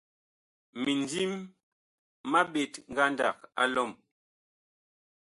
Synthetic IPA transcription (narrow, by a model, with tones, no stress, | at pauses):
mi˨ndi˦m | a˦ɓe˨tŋ̩˨ɡa˦nda̰˦˨k̚a̰˦lɔ˦˨m